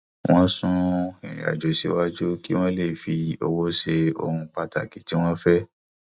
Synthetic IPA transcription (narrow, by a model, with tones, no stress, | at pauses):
w̃ɔ̃˦sũ˦ɛ̰̃˨ḭ̃˨a̰˨d͡ʒo˨si˨˦wa˦d͡ʒu˦ki˦w̃ɔ̃˦le˦˨fi˨o˧wo˦ʃe˧o̰˧hũ˧k͡pa˧ta˨ki˨˦ti˦w̃ɔ̃˦fɛ˦